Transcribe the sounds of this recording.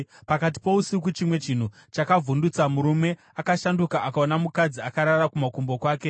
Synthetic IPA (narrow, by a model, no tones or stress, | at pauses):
pakat̬i̥po̞usik̬ut͡ʃimwe̞t͡ʃin̤u | t͡ʃakavʱundut͡samuɾume̞ | akaʃandukaʔakaonamukad͡ziakaɾarakumakumbo̞kwaːke̞